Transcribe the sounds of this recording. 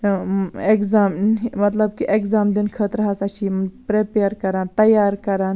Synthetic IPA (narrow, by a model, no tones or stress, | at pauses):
ekzaːmmɐt̪lɐb̚kiʔekzaːmd̪inkʰət̪ɾɐɦasɐt͡ʃʰipɾepeːɾkɐɾãːnt̪ɐjaːɾkɐɾaːn